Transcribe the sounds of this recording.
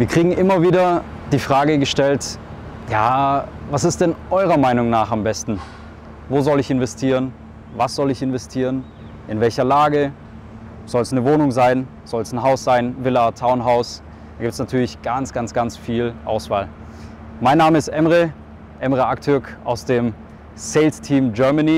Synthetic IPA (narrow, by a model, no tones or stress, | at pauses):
viːɐkʁ̥iːɡŋ̩ʔɪmɐviːdɐ | d̥iːfʁ̥aːɡəɡəʃtɛlt | jaːvasɪst̚d̥ɛnʔɔʏʁɐmaɪnʊŋnaːχambɛstn̩ | voːzɔlɪçɪnvɛstʰiːʁən | vasz̥ɔlɪçɪnvɛstʰiːʁən | ʔɪnvɛlçɐlaːɡə | z̥ɔlsnəvoːnʊŋzaɪn | z̥ɔlsn̩ɦaʊsz̥aɪnvɪlatʰaʊnɦaʊs | d̥aːɡiːp̚tsnatʰyːɐlɪçɡ̥ant͡sɡ̥ant͡sɡ̥ant͡sfiːlʔa̰ʊsv̥a̰ːl | maɪnːaːməɪstʔɛmʁə | ʔɛmʁəʔak̚tʰʏɐkʔa̰ʊsd̥eːm | seɪlstʰiːmɡœɐmaniː